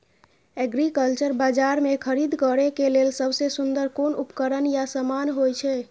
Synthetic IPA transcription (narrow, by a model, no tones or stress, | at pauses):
ɛɡɾikəlt͡ʃəɾbad͡ʒaɾmekʰəɾid̪ʱkəɾekelelsəbsesund̪əɾkonupkəɾənjasəmanɦojt͡ʃʰɛ